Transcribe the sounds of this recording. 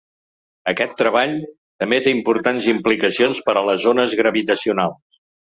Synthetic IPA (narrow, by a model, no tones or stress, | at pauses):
əkɛt̪ːɾəβ̞aʎ | t̪əmbet̪eimpuɾt̪anzimplikəsionspəɾələzonəzɣɾəβit̪əsiunalˠs